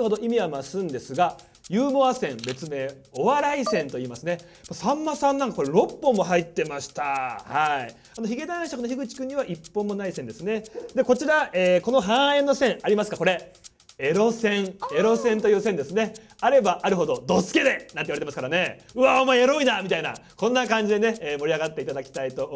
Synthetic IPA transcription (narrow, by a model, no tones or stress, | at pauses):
ɯho̞d̪o̞ʔimʲiβamasɨ̃nd̪e̞sɨɡa | jɯːmo̞βasẽ̞mbe̞t͡sɨme̞ːo̞βaɾaisẽ̞nt̪o̞iːmasɨne̞ | masãmːasãnːãŋkako̞ɾeɾo̞pːõmːo̞ɦait̪ːe̞maɕi̥t̪ahai | anoçiɡe̞d̪ãɕakono̞çiɡɯ̟t͡ɕi̥kɯ̟ɲ̟ːiβaʔipːõ̞mːo̞naisẽnd̪e̞sɨne̞d̪e̞ko̞t͡ɕiɾaeːkono̞ɦãɰẽ̞nːo̞sẽ̞ɰ̃aɾʲimasɨ̥kako̞ɾe̞ | eɾo̞sẽ̞ŋe̞ɾo̞sẽ̞nt̪o̞jɯ̟ːsẽnd̪e̞sɨne̞ | aɾe̞baʔaɾɯ̟ɦo̞d̪o̞d̪o̞sɨ̥ke̞d̪e̞nãnt̪eiβaɾeemasɨ̥kaɾane̞ɯ̟aomaeɾo̞inamʲit̪aina̰kõ̞nːakãɲ̟d͡ʑid̪e̞ne̞eːmo̞ɾʲiaɡat̪ːe̞it̪ad̪akʲi̥t̪ait̪o̞